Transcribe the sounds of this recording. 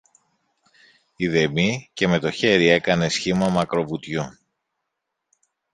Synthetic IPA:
iðe̞mice̞me̞t̪o̞çe̞ɾie̞kɐne̞sçimɐmɐkɾo̞vut̪ʝo

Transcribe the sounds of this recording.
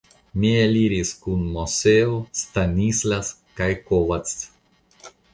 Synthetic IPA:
mieliɾiskunmoseost̪anislaskajkovat͡s

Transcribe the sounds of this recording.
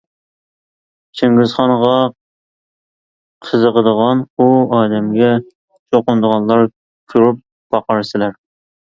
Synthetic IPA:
t͡ʃʰeŋɡɪzχɑnəʁɑ | qʰəzəʁəd̪əʁɑnuɑːd̪ɛmɡʲɛ | t͡ʃʰoqʊnd̪əʁɑnlˠɑɾ | kʲʰøɾyp̚ | b̥ɑqɑɾsɪlæɾ

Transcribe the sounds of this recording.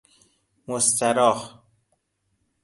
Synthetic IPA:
most̪æɾɒːh

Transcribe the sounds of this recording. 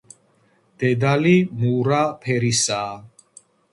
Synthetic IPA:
d̪̥ɛd̪alimuɾapʰɛɾisaː

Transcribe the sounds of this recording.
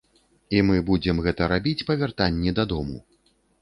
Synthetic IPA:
imɨbud͡zʲɛmɣɛt̪ɐɾabʲit͡sʲpɐvʲart̪anʲːɛd̪ad̪ɔmṵ

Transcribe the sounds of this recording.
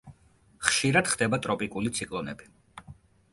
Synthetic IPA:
χʃiɾad̪̥χd̪ɛbat̪ʼɾɔpʼikʼulit̪sʰikʼlˠɔnɛbi

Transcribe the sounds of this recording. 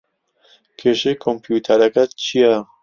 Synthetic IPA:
kʰeʃekʰompjuːt̪ʰɐɾɐkɐt͡ʃʰijɛ

